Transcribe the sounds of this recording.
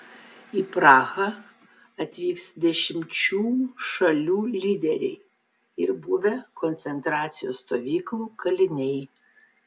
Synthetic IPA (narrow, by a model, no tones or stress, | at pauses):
iːpɾɑːɣɐ | ɐt̪ʲʋʲiːksd̪ʲɛʃʲɪmʲt͡ʃʲuːʃɐlʲuːlʲiːd̪ʲɛɾʲɛ̰ɪ | ɪɾbʊʋʲɛkɔnʲt̪sʲɛnt̪ɾɑːt̪sʲɪjoːsst̪oːʋʲiːklˠuːkɐlʲɪnʲɛɪ